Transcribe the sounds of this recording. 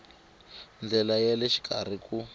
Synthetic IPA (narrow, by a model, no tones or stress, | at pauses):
nd͡ɮɛlajɛlɛʃi̥kʰʼar̤iku